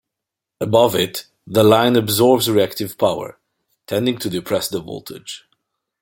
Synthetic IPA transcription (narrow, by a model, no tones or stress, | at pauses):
əbʌvɪt̪ | ðəlãɪ̃nəbzɔɹbzɹiæk̚tɨv̥pʰaʊə̰˞ | tʰɛ̃ndɪ̃ŋtʰɨdɨpʰɹ̥ɛsðəvɔ̰lˠtʰɪ̥d͡ʒ̥